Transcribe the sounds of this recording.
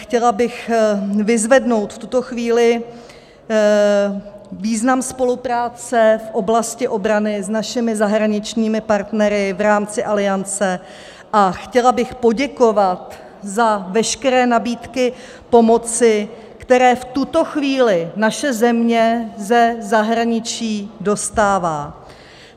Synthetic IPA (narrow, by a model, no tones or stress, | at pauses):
xcɛlabɪxvɪzvɛdno̞wt̪ft̪ut̪o̞xviːlɪ | viːznamspo̞lupɾaːt͡sɛfʔo̞blascɪʔo̞bɾanɪznaʃɪmɪzaɦɾaɲɪt͡ʃɲiːmɪpaɾt̪nɛɾɪvɾaːmt͡sɪʔalɪant͡sɛ | ʔaxcɛlabɪxpo̞ɟɛko̞vat̪ | zavɛʃkɛɾɛːnabiːt̪kɪ | po̞mo̞t͡sɪ | kt̪ɛɾɛːft̪ut̪o̞xviːlɪnaʃɛzɛmɲɛzɛzaɦɾaɲɪt͡ʃiːdo̞st̪aːvaː